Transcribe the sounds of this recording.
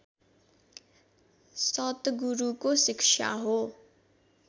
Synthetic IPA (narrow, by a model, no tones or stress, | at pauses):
sʌt̪ɡuɾukosɪkʂʰa̰ɦo